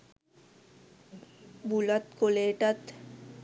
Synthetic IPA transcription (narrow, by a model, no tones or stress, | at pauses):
bulət̪koleːʈət̪